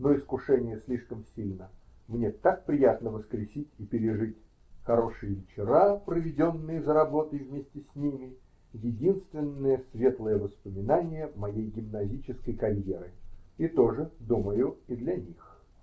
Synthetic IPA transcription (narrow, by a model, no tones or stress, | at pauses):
noɪskʊʂɛnʲɪjəsʲlʲiʂkəmsʲilʲnə | mnʲet̪ak̚pɾʲɪjat̪nəvəskɾʲɪsʲitʲɪpʲɪɾʲɪʐɨtʲ | xɐɾo̞ʂɨjɪvʲɪt͡ɕɪɾapɾəvʲɪdʲo̞nːɨjəzəɾɐbo̞t̪əjvmʲesʲtʲɪsʲnʲimʲɪ | jɪdʲinst̪vʲɪnːəjəsvʲe̞t̪lˠəjəvəspəmʲɪnanʲɪjəmɐjejɡʲɪmnɐzʲit͡ɕɪskəjkɐɾʲjeɾɨit̪o̞ʐɨd̪uməjʊid̪lʲɐnʲix